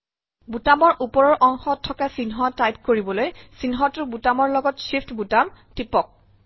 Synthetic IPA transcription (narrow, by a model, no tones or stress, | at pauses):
butamɔɹʔupɔɹɔɹʔɔŋxɔtʰːɔkasinɦɔtajp̚koɹibɔlojsinɦɔtʊɹbutamɔɹlɔɡɔtsipʰtbutamtipɔk̚